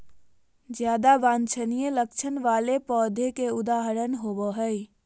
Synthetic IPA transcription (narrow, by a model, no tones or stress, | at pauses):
d͡ʒjad̪abãnt͡ʃʰənijelək̚t͡ʃʰənʋalepɔd̪ʱekeud̪aɦəɾənɦobəɦəj